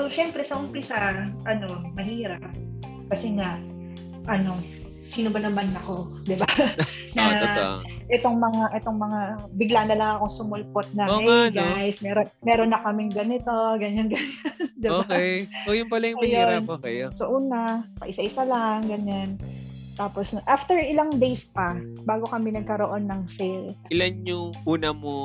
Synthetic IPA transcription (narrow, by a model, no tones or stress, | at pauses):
soʃɛmpɾɛsɐʔʊmpɪsɐʔɐno̞mɐɦiːɾɐp̚ | kɐsɛŋɐ | ʔɐno̞ | siːnobɐnɐmanɐko̞ | d̪ɪba | nɐ | ʔɛt̪o̞ŋmɐŋaʔɛt̪o̞ŋmɐŋabɪɡlanɐlɐŋɐko̞ŋsʊmolpot̪̚nɐkːɛɡajsmɛːɾomɛːɾonːɐkɐmɪŋɡɐnɪt̪o̞ɡɐɲanɡɐɲand̪ɪoːakɛjsojʊnpɐlɐjʊɐjonokɛsɐʔuːnapɐ̰ʔɪsaʔɪsalaŋɡɐɲant̪aːposnoʔaft̪ɛɹɪlaŋd̪ejspɐbaːɡo̞kɐmɪnɐɡ̚kɐɾo̞ʔo̞nːɐŋsɛlɪlanɲʊŋʔuːnɐmo